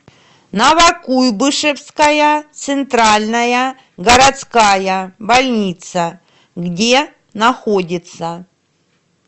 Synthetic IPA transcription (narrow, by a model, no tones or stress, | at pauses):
nɐvɐkujbɨʂɨfskɐjɐt̪sɨnt̪ɾalʲnɐjɐ | ɡɐɾɐt̪skajɐbɐlʲnʲit̪sɐ | ɡdʲe | nɐxo̞dʲɪt̪sɐ